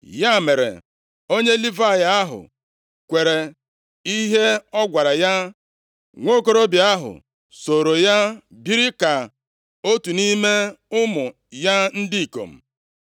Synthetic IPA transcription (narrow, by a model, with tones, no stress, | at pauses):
ja˦˨me˨ɾḛ˨ | o˦ɲe˦li˦va˦˨ja˨a˦ɦʊ̰˨ | kʷe˨ɾe˨ | i˦ɦe˦ɔ˦ɡʷa˨ɾa˨ja˦ | ŋʷo˦ko˦ɾo˦bi˨a˦ɦʊ̰˨ | so˨ɾo˨ja˦bi˦ɾɪ˦ka˨ | o˦tu˨ni˦me˦ʊ˦mʊ˨ | ja˦n̩˦dɪ˦i˨ko̰˨m̩˨